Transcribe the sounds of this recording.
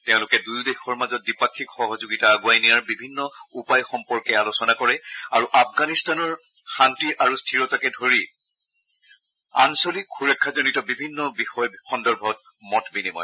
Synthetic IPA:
teʊ̃lʊkɛdujdexɔɹmazɔt̚dipakʰːikxɔɦɔzoɡitaːɡuajnijaɹbibʱinːɔupajxɔmpɔɹkɛalosɔnakɔɹɛaɹuʔafɡanistanɔɹ | xantiʔaɹustʰiɹɔtakɛdʱoɹi | ansolikxʰuɹɛkʰːazɔnitɔbibʱinːɔbixɔjxɔndɔɹbʱɔt̚ | mɔtbinimɔ̰j

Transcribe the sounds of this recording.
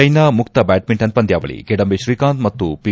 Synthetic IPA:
ɐjnamukt̪ɐbæːʈ̚miɳʈɐnt̪pɐnd̪jaːʋɐ̰ɭḭɡeɖɐmbeʃɾiːkaːnd̪mɐt̪ːupi

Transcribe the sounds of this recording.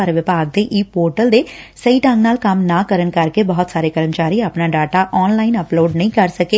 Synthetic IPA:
aɾʋɪpaːɡ̚d̪eːʔiːpoːɾʈəld̪eːsəiːʈãːŋɡnaːlkəmnaːkəɾənkəɾkebɔɦt̪saːɾeːkəɾəmt͡ʃaːɾiːapnaːɖaːʈaːʔɔːnlaːɪnəploːɖnəĩːkəɾsəkeː

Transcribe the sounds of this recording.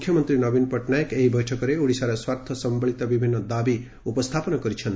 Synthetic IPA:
kʰjʌmʌnt̪ɾinʌbinpɔʈnajekeɦibʌjʈʰʌkɔɾeuɽisaɾɔswaɾt̪ʰjʌsʌmbʌɭit̪abibʱinːʌd̪abi | upɔst̪ʰapɔnakɔɾit͡ʃʰʌn

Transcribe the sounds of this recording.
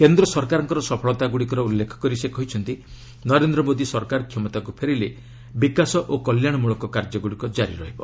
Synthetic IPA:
kend̪ɾɔsɔɾkaɾɔŋkɔɾɔsɔpʰɔɭɔt̪aɡuɽikɔɾɔulːekʰɔ̥kɔɾisekɔɦit͡ʃʰɔnt̪i | nɔɾend̪ɾɔmod̪isɔɾkaɾɔkʰjɔmɔt̪akupʰeɾile | bikasɔʔokɔljaɽ̃ɔmuɭɔkɔkaɾd͡ʒɔɡuɽikɔd͡ʒaɾḭɾɔɦibɔ

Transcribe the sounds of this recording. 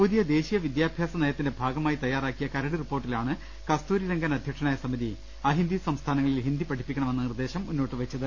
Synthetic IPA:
pud̪ijɐd̪e̞ːɕijɐʋid̪jaːbʱjaːsɐnejɐt̪ːindebʱaːɡɐmaːjit̪ɐjːaːraːkːijɐkɐɾɐɽiripːo̞ːrʈːilaːɳɨ | kɐst̪uːɾiɾeŋɡɐnɐd̪ʱjɐkʂɐɳaːjɐsɐmiði | ɐɦind̪isɐmst̪ʰaːnɐŋːɐɭilɦind̪ipɐʈʰipːikʲːɐɳɐmenːɐnird̪e̞ːɕɐmunːoːʈːɨʋɐt͡ɕːɐðɨ

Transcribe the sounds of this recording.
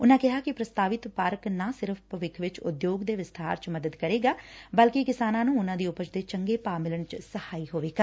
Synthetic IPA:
ʊnãːkɪɦaːkɪpɾəst̪aːʋɪt̪paɾknaːsɪɾəfʰpəʋɪkʰʋɪt͡ʃʊ̰d̪joːɡd̪eːʋɪst̪ʰa̰ːɾt͡ʃməd̪əd̪kəɾeːɡaːbəlkikɪsaːnãːnũːʊnãːd̪iːʊpət͡ʃd̪eːt͡ʃəŋɡeːpaːmɪləɳt͡ʃsəhaːiːɦoːʋeːɡaː

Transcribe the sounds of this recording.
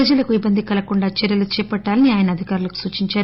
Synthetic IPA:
ɐd͡ʒɐlɐkuibːɐnd̪ʱikɐlɐkuɳɖaːt͡ʃeɾjɐlut͡ʃɛːpɐʈːaːlɐniaːjɐnɐːd̪ʱikaːɾulɐku̥suːt͡ʃiɲt͡ʃaːɾu

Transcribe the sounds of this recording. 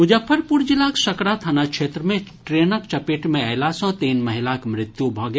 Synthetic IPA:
mʊd͡ʒəpʰːəɾpuɾd͡ʒɪlaksɐkɽat̪ʰanakʃʰeːt̪ɾəmẽʈɾeːnəkt͡ʃɐpeːʈmẽɐɪlasɔ̃ːt̪iːnmɐɦɪlakmɾɪt̪jubʱɔ̃ːɡe

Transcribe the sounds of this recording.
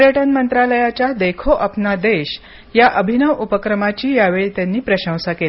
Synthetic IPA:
pəɾjəʈənmənt̪ɾaləjat͡ɕad̪ekʰoʔapnad̪eɕ | jaʔəbʱinəʋupəkɾəmat͡ɕiːjaʋeɭt̪janːiːpɾəɕə̃w̃sakel

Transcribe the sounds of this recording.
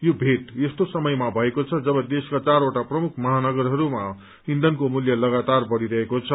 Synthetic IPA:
jobʱeʈest̪osʌmʌjmabʱʌekot͡sʰʌd͡zʌbʌd̪eskat͡saɾoʈaprʌmukʰmʌɦanʌɡʌrɦʌɾuma | ɦind̪ʌnkomuljʌlʌɡat̪arbʌɽiɾʌɦekot͡sʰʌ

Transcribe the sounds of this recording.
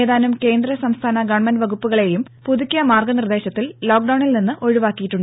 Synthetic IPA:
eːðaːnumke̞ːnd̪rɐsɐmst̪ʰaːnɐɡɐɳmɐnʋɐɣupːuɣɐɭe̞jumpuðukʲːɐmaːrɡɐnird̪e̞ːɕɐt̪ːillo̞ːk̚ɖɐwɳilninːɨʔo̞ɻuʋaːkːijiʈːuɳɖ

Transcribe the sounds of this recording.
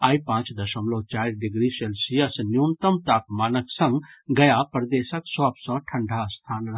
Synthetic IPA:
aːipãːt͡ʃd̪ɐʃəmloːt͡ʃaːɾɖɪɡɾiselsiɐsnjunt̪əmt̪aːkmaːnəksɐ̃ŋɡɡɐjapɾɐd̪eːsəksɔːbsɔ̃ʈʰɐɳɖʱast̪ʰaːnɾɐɦ

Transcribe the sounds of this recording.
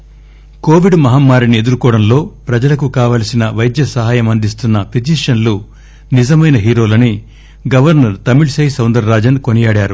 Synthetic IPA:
ko̞ːʋiɖmɐɦaːmːaːɾinie̞d̪uɾukɔːɽɐnlo̞ːpɾɐd͡ʒɐlɐkukaːʋaːlɐsinɐʋɐjd̪jɐsɐɦaːjɐmɐnd̪ist̪unːɐpid͡ʒiʂɐnlu | nizɐmɐjnɐɦiːɾo̞ːlɐni | ɡɐʋɐɾnɐɾt̪ɐmiɭsɐjsɐwnd̪ɐɾːaːd͡ʒɐnko̞nijaːɽaːɾu

